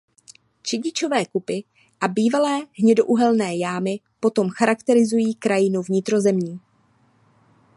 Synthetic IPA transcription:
t͡ʃɛɟɪt͡ʃo̞vɛːkupɪ | ʔabiːvalɛːɦɲɛdo̞ʔuɦɛlnɛːjaːmɪ | po̞t̪o̞mxaɾakt̪ɛɾɪzujiːkɾajɪnuvɲɪt̪ɾo̞zɛmɲiː

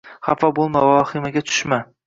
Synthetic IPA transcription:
χafɒbolˠmavɒχɪmaɡʲat͡ʃ̪ʰʊ̥ʃma

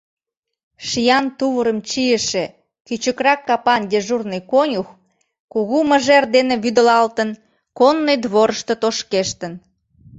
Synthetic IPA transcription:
ʃijɑnt̪uβəɾəmt͡ɕijəʃe | kyt͡ɕəkrɑkːɑpɑnd̪ʲeʒurnəjkonʲux | kuɣuməʒerd̪eneβyd̪əlɑlt̪ən | konːojd̪βoɾəʃt̪ot̪oʃkeʃt̪ən

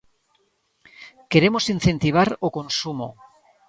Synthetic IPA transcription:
ke̞ɾemosin̟θe̞nt̪iβ̞aɾokonsumo̰

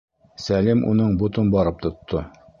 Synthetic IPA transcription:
sælimʔṵnɤɴbut̪ɤnbɒɾɤp̚t̪ŏt̪ʰːo

